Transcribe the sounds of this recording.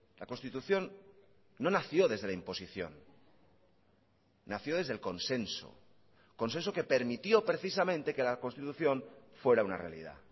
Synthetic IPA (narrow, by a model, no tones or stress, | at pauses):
lako̞nst̪it̪uθjo̞nː | o̞naθjo̞ðe̞zðe̞laimpo̞siθjo̞̰n | aθjoðe̞zðelko̞nsẽ̞nso̰ | ko̞nse̞nsokepe̞ɾmit̪jo̞pɾe̞θisamẽ̞nt̪eke̞lakonst̪it̪uθjõ̞nfwe̞ɾauna̰re̞a̰lḭð̞a̰